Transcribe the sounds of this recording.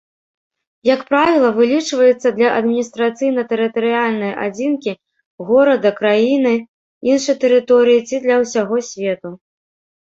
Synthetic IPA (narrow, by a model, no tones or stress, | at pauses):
jɐkpɾavʲilˠɐvɨlʲit͡ʂvɐjɛt̪sːɐd̪lʲɐʔɐd̪mʲinʲist̪ɾat̪sɨjnɐt̪ɛɾɨt̪ɐɾɨjalʲnɐjʔa̰d͡zʲinkʲi | ɣɔɾɐd̪ɐkɾajinɨ | inʂɐjt̪ɛɾɨt̪ɔɾɨjit͡sʲid̪lʲɐwsʲaɣɔsʲvʲɛt̪u